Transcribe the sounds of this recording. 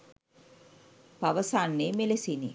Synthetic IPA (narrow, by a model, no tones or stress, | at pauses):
paʋəsanːeːmelesinḭ